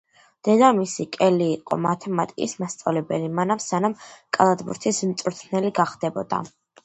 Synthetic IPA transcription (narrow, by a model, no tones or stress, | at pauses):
d̪̥ɛd̪amisikʼɛliːqʼɔ̰mat̪ʰɛmat̪ʼikʼismast̪sʼa̰vlɛbɛlimanamsanamkʼalˠad̪bṵɾt̪ʰismt̪sʼuɾt̪ʰnɛliɡaχd̪̥ɛbɔd̪a̰